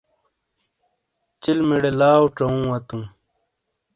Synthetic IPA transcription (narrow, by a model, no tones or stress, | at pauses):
t͡ɕilmeɽelaːwʈ͡ʂɐũːwɐt̪ũː